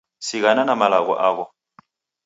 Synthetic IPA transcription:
siɣananamalaɣɔ̰ʔaɣɔ

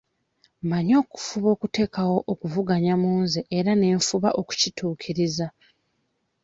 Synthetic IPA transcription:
maɲo̞ːku̥fuβo̞ːkute̞ːkawo̞ʔokuvuɡaɲamuːnzeʔeɾane̞ːɱfuβaʔo̞ku̥cituːkʰiɾiza

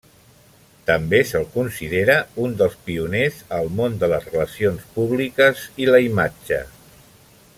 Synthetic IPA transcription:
t̪əmbesəlˠkunsiðeɾəund̪əlˠspiunezəlˠmond̪ələzrələsionspuβlikəziləimad͡ʒə̰

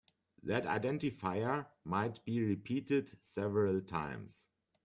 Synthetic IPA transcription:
ðæta̰ɪdɛ̃ntɪfaɪə˞maɪt̚b̥iɹipʰiːtɪdsɛvəɹəltʰã̰ɪ̃ms

